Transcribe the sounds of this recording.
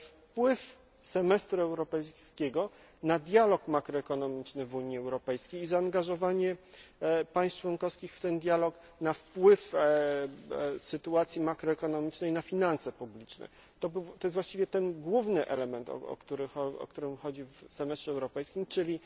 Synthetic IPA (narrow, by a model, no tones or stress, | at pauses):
fpwɘf | sɛmɛst̪ɾuɛwɾɔpɛjskʲeɡɔ | nad̪ʲjalɔkmakɾɔɛkɔnɔmʲit͡ʂnɘvuɲiɛwɾɔpɛjskʲejːzaːŋɡaʐɔvaɲɛ | pajst͡ʂwɔnkɔfskʲixft̪ɛnd̪ʲjalɔk | nafpwɘf | sɘt̪uat̪sʲjimakɾɔɛkɔnɔmʲit͡ʂnɛjnafʲinansɛpublʲit͡ʂnɛ̰ | t̪ɔbt̪ɔjɛst̪vwaɕt͡ɕivʲjɛt̪ɛnɡwuvnɘʔɛ̰lɛmɛnt̪ɔ̰ɔ̰kt̪uɾɘxɔɔ̰kt̪uɾɘmxɔd͡ʑivsɛmɛst̪ʂɛwɾɔpɛjskʲimt͡ʂɘlʲi